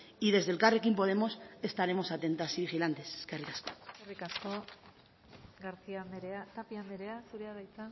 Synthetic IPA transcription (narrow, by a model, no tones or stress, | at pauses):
iðe̞zðe̞lkarekimpo̞ð̞e̞mo̞se̞st̪aɾe̞mo̞sat̪e̞nt̪asiβixilant̪e̞seskerit̪askoerikasko̞ | ɡaɾt͡siand̪eɾeat̪apiamd̪eɾeasuɾeaɣajt͡sa